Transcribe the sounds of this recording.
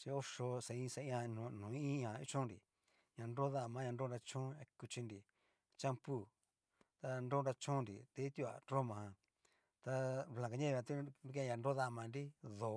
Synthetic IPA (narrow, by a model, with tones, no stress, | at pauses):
t͡ʃi˧o˦ʂo˧sa˨ĩ˦˧sa˧ĩ˦ã˧nũ˨nũː˨˦ĩ˦ã˨i˦t͡ʃũ˦nɾḭ˨ | ɲã˨˧ndo˦ða˦˨mã˨˦ɲã˧no˦˧ɾa˧t͡ʃũ˦a˧ku˧t͡ʃi˧ndi˨ | t͡ʃã˦mpu˦˨ | t̪a˧ndo˦nɾa˧t͡ʃũ˦nɾḭ˨t̪e˧˦t̪u˦˧a̰˨ɾo˦mã˨hã˧ | t̪a˧βlã˨ka˨˧ɲã˦˧ã˧t̪u˦u˦kẽ˧˦˧ɲã˧ndo˦ða˦˧˨mã˨˧nɾi˦ðo˨